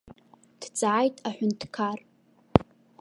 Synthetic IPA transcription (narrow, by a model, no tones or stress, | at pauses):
d̥d͡zʼaːjtʼaħʷᶣʊntʰkʰar